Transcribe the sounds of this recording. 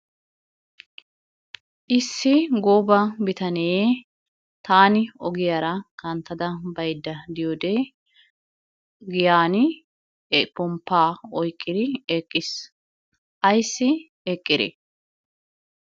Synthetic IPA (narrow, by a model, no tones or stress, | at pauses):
ʔɪsːɪɡoːbɐbɪt̪ɐnɛeː | t̪aːnɪɔɡɪjaɾɐkɐnt̪ːɐd̪ɐbɐjd̪ːɐd̪ɪjoːd̪eː | ɡɪjaːnɪ | pɔmpːaːɔjkʼːɪd̪ɪeːkʼːɪs | ʔɐjsːɪ | ɛkʼːɪd̪ḛ